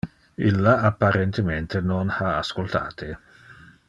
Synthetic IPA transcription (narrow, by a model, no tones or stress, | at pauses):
ilːaapːaɾent̪ement̪enonhaaskolt̪ʰa̰ːt̪e